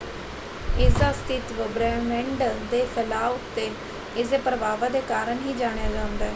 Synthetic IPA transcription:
ɪsd̪aːst̪ʰɪt̪ʋəbɾɛːmɛ̃ːɳɖd̪eːpʰəlaːʊt̪ːeː | ɪseːpɾəʋaːʋaːd̪eːkaːɾəɳɦiːd͡ʒaːɽ̃ejaːd͡ʒãːnd̪ɛː

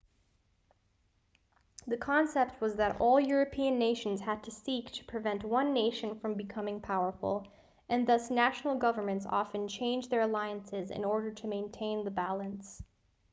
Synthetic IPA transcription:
ðɨkʰɑ̃nsɛp̚t̚wʌzðɨɾɔlˠjʊɹɨpʰiɨ̃nːeɪʃn̩z̥ɨd̚tʰɨsiktʰɨ̥pʰɹ̥ɨvɛ̃nʔwʌ̃nːeɪʃɨ̃nfɹʌ̃mbɨkʰʌmɪ̃ŋpʰaʊə˞fl̩ˠ | ʔɨ̃nðʌsnæʃn̩l̩ˠɡʌvə˞mɨ̃ntsɑ̰fɨ̃nt͡ʃʰẽɪ̃nd͡ʒðə˞ɨlaɪɨ̃nsɪzɨ̰̃nɔɹɾə˞ɾɨmẽɪ̃ntʰẽɪ̃nðɨbælˠə̃ns

